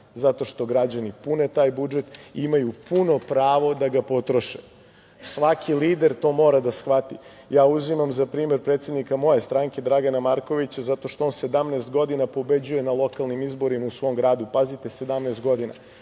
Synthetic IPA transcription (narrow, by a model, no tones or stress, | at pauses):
zat̪o̞ʃt̪o̞ɡɾad͡ʑanipunet̪aːjbud͡ʒet̪imajupuno̞pɾaːʋo̞d̪aɡapo̞t̪ɾo̞ʃe | sʋakʰiliːd̪e̞ɾt̪o̞ːmo̞ːɾad̪asxʋat̪ḭ | jaːuzimamzapɾiːme̞ɾpɾe̞ːt̪sje̞d̪nikamo̞je̞st̪ɾaŋke̞d̪ɾaɡanamaɾko̞ʋit͡ɕazat̪o̞ʃt̪oonse̞d̪amnest̪̚ɡo̞d̪inapo̞be̞d͡ʑuje̞nalˠo̞kalˠnimizbo̞ɾimausʋo̞ːmɡɾaːd̪upazit̪e̞se̞d̪amnest̪̚ɡo̞d̪ina̰